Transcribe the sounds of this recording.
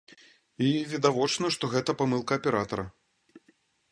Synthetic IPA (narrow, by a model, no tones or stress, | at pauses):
ivʲid̪avɔt͡ʂnɐʂt̪ɔɣɛt̪ɐpamɨlˠkɐːpʲɛɾat̪ɐɾɐ